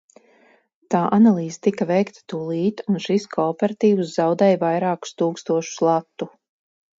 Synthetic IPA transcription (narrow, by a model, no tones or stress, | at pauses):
t̪aːʔanalˠiːzet̪ikavɛjkt̪ḁt̪uːlˠiːt̪unʃiskʰɔɔpɛɾat̪iːvuszawd̪ɛːjvajɾaːku̥st̪uːkst̪uɔʃu̥slˠat̪ːu